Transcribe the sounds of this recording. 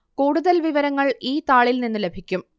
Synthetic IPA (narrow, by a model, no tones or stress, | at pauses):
kuːɽuðɐlʋiʋɐɾɐŋːɐɭiːt̪aːɭilninːɨlebʱikʲːum